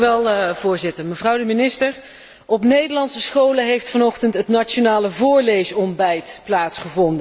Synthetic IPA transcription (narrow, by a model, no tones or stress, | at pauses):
ʋɛlˠv̥ʊːɹzɪtəɹməvrʌwdəminɪstəɹ | ɔpnejdəɹlɑnsəsχowləɦejftfɑnɔχtəntɦətnat͡ʃonaːləvʊːɹlejsɔmbɛjtplaːtsχəvɔndə